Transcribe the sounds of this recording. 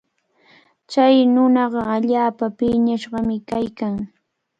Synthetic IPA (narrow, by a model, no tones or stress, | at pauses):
t͡ʃajnʊnɑɢɑaʎaːpapɪɲaʃɢɑmɪkajkaŋ